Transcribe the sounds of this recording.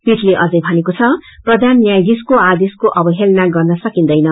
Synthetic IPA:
piʈleʔʌd͡zʌjbʱʌnekot͡sʰʌprʌd̪ʱanːjajd̪iskoad̪eskoʔʌbʌɦelnaɡʌrnʌsʌkind̪ʌjnʌ

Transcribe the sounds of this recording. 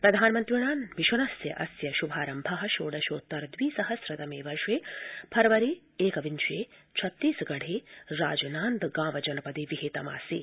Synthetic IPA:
pɾɐd̪ʱaːnmɐnt̪ɾiɳaːnʋiʃɐnɐsjɐ̰ʔɐsjɐʃubʱaːɾɐmbʱɐɦɐʃoːɽɐʃoːt̪ːɐɾd̪ʋiːsɐɦɐsɾɐt̪ɐmeːʋɐɾʂeːpʰɐɾɐʋɐɾi | eːkɐʋint͡ʃeːt͡ʃʰɐt̪ːiːsɡɐɽ̤eːɾa̰ːd͡ʒɐnaːnd̪ɡãːʋɐd͡ʒɐnɐpɐd̪iʋiɦeːt̪ɐma̰ːsiː

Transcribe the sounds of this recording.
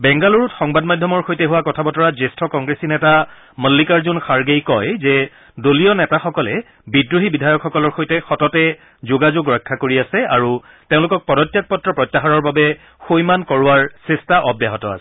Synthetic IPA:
bɛŋɡaloɹutxɔŋbadmadʱjɔmɔɹxojtɛɦuwakɔtʰabɔtɔɹazestʰɔkɔŋɡɹesinɛta | məlːikaɹzʊnxaɹɡejkɔjzɛ | dolijɔnɛtaxɔkɔlɛ | bidɹuɦibidʱajɔkxɔkɔlɔɹxojtɛxɔtɔtɛ | zʊɡazoɡɹɛkʰːakoɹiasɛaɹu | tẽʊ̃lʊkɔk̚pɔdɔtːjak̚pɔtːɹɔpɹɔjtːaɦaɹɔɹbabɛ | xojmankɔɹʊwaɹsɛstaʔɔbjaɦɔtɔa̰sɛ

